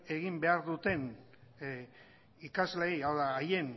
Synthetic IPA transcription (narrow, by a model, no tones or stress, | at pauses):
e̞ɣimbe̞aɾðut̪e̞n | ikazlejawðaːje̞n